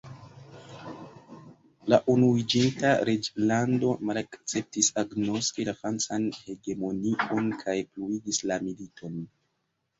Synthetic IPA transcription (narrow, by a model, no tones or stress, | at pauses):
laʔunuid͡ʒintaɾed͡ʒlando̞malakt͡se̞p̚tisaɡno̞skilafɾant͡sanhe̞ɡe̞mo̞nio̞nkʰajpluiɡislamilitʰo̞n